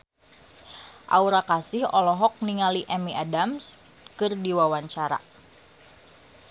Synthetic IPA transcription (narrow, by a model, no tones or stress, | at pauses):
ʔa̰uɾakasɪhɔlɔɦɔk̚niŋaliʔɛmiʔadams | kɨrdiwawaɲt͡ʃaɾa̰